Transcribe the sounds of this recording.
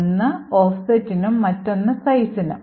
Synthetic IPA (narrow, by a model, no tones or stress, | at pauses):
nːɨoːfsɐtːinumːɐtːo̞nːɐsɐjsinṵm